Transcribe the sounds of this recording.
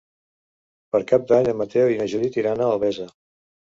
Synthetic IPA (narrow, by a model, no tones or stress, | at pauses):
pəɾkap̚d̪aɲəmːət̪ewinəʒuðit̪iɾanəːlˠβɛzə